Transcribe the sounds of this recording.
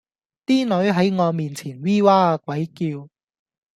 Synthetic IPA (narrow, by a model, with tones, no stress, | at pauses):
t̪iː˥nɵ˨˥ɥɦɐ˨˥jŋɔː˨˧miː˨nt͡sʰiː˨˩nwiː˥waː˥a˧kʷwɐ˨˥jkiː˧w